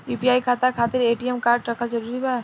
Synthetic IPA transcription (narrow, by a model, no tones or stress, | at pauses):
juːpiaːikʰaːt̪akʰaːt̪ɪɾeːʈiɛmkaːɾʈɾɐkʰad͡ʒɐɾuːɾibaː